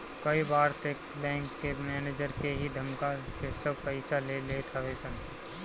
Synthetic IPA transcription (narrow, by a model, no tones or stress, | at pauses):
kɐibaːɾt̪ekbɛ̃ːŋkːemɛːneːd͡ʒəɾkeɦid̪ʱɐmkakesɐbpɛɪsalelet̪ʰaʋeːsə̃n